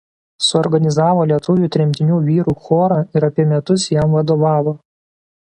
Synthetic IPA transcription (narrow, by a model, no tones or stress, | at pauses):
sʊɔɾɡɐnʲɪzɑːʋoːlʲiɛt̪ʊʋʲuːt̪ʲɾʲɪmʲt̪ʲɪnʲuːʋʲiːɾuːxoːɾɑɪɾɐpʲiɛmʲɛt̪ʊsjɛmʋɐd̪oːʋɑːʋoː